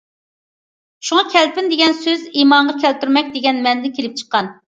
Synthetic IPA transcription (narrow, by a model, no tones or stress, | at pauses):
ʃuŋɑkʲʰɛlpɪnd̪eɡʲɛnsøzimɑɴʁɑkʲʰɛlt̪yɾmɛk̚ʲd̪eɡʲɛnmɛnd̪ɛkʲʰelɪp̚t͡ʃʰə̥qːɑn